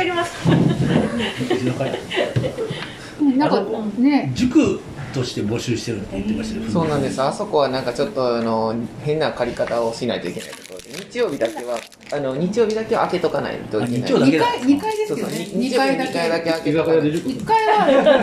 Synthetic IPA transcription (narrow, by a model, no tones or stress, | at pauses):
ɾʲimas | oka | nãkaned͡ʑɨkɯ̟ | t̪o̞ɕi̥t̪e̞bo̞ɕɨːɕi̥t̪e̞ɾɯ̟t̪ːejɯt̪ːemaɕt̪aso̞ːnãnd̪e̞sɨjoaso̞ko̞βanãŋkat͡ɕo̞t̪ːo̞ano̞hẽ̞nːakaɾʲikat̪aoɕina̰it̪o̞̰ḭke̞na̰i̥t̪okod̪eɲ̟it͡ɕijo̞ːbʲid̪ake̞βaː | no̞ɲ̟it͡ɕijo̞ːbʲid̪ake̞βa̰ːke̞t̪o̞kana̰ḭt̪o̞iea̰od̪eiɲikaid̪esoːoiɲoaid̪aikaid̪akeakeikaia